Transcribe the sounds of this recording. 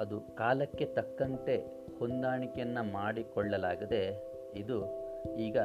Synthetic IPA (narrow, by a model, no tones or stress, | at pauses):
ɐd̪ukaːlɐkːe̞t̪ɐkːɐnt̪e̞ | hond̪aːɳikejɐnːɐmaːɽikɔɭːɐlaːɡid̪e̞ | id̪uiːɡɐ